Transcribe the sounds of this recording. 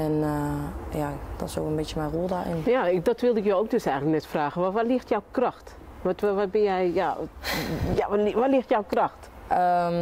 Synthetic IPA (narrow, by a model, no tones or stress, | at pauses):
ɛn | jad̥ɔsokənbɪtjəmɛjrulˠdaɪ̰njakdɔtʋɪlˠdɪkjoːok̚døsɛjɣələk̚nɛtfraːɣəʋɔʋɔtlɪxtjɔwkrɔxt | ʋɔtʋɔt̚bɪnjɛjja | jaʋɔtlɪxtjawkrɔxt | ə